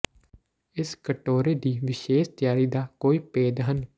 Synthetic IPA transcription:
ɪskəʈoːɾeːd̪iːʋɪʃeːʃt̪ɪjaːɾiːd̪aːkoːiːpeːd̪ɦən

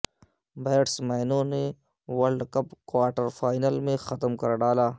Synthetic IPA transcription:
beːʈsmajnõne | wɐlɖkɐpkwaːɾʈəɾfaːjnəlmẽxɐt̪əmkɐɾɖaːlaː

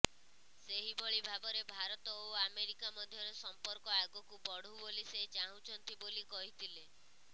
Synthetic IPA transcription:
seɦibɔɭibʱabɔɾebʱaɾɔt̪ɔoameɾikamɔd̪ʱjɔɾɔsɔmpɔɾkɔaɡɔkubɔɽ̤uboliset͡ʃaɦũt͡ʃʰɔnt̪ibolikɔɦit̪ʰile

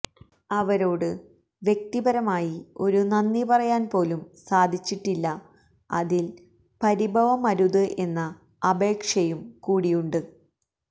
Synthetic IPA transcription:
ɐʋɐɾo̞ːɽɨ | ʋje̞k̚t̪ibɐɾɐmaːjio̞ɾunɐnːipɐrɐjaːnpo̞ːlumsaːd̪ʱit͡ɕːiʈːilːɐ | ɐ̰ðil | pɐɾibʱɐʋɐmɐɾuðɨʔe̞nːɐ | ɐbʱe̞ːkʂɐjumkuːɽijuɳɖɨ

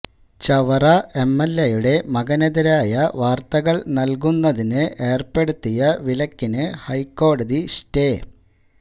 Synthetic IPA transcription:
t͡ɕɐʋɐrɐe̞mːelːejuɽe̞mɐɣɐnɐðɐɾaːjɐʋaːrt̪ɐɣɐɭnɐlk̬unːɐðinɨʔe̞ːrpe̞ɽut̪ːijɐʋilɐkːinɨhɐjkːo̞ːɽɐðisteː

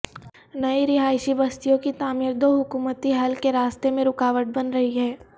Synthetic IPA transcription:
nɐiɾɪɦaːɪʃibɐst̪ijõkit̪aːmiːɾd̪oːɦʊkuːmət̪iɦɐlkeɾaːst̪emẽɾʊkaːʋəʈ̚bɐnɾɐɦiɦɛː

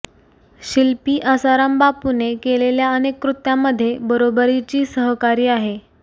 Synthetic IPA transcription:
ɕilpiːʔəsaɾəmbapunekeleljaənekːɾut̪jamːəd̪ʱːjebəɾobəɾit͡ɕiːsəɦkaɾiːaɦe

